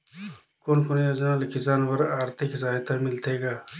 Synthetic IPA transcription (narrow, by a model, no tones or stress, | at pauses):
koːnkonjaːd͡ʒnaːlkɪsaːnbɐɾaːɾt̪ʰɪkzaːɦɪt̪ʰamɪlt̪ʰeːɡaː